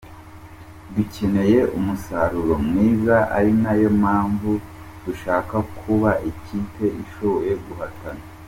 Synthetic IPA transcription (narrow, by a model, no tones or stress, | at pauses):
duce̞ne̞je̞umusaɾuɾo̞mŋiːzaʔa̰ɾinajo̞maːɱvu | d̥uʃaːkakʰuβaʔiciːte̞ʔiʃojeɡuhatana